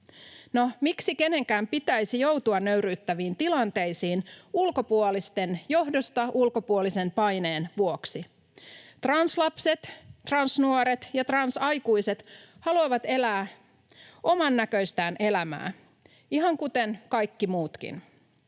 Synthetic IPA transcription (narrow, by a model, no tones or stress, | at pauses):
nomiksike̞ne̞ŋkæːmpit̪æjsijowt̪uɑnːøyɾyːt̪ːæʋiːnt̪ilɑnt̪e̞jsiːnulko̞puolist̪e̞njo̞ɦdost̪ɑʔulko̞puolise̞mpɑjneːnʋuoksi | t̪rɑnslɑpset̪tːrɑnsnuoɾet̪jɑt̪rɑnsɑjkuiset̪hɑluɑʋɑt̪e̞læː | ʔo̞mɑnːækøist̪æːnʔe̞læmæ̰ː | iɦɑŋkut̪enkɑjkːimuːt̪kḭn